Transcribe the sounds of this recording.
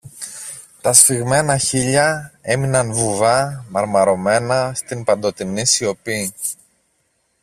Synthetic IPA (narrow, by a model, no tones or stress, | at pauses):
t̪ɐsfiɣme̞nɐçiʎɐe̞minɐnvuvɐmɐɾmɐɾo̞me̞nɐst̪impɐnd̪o̞t̪inisio̞pi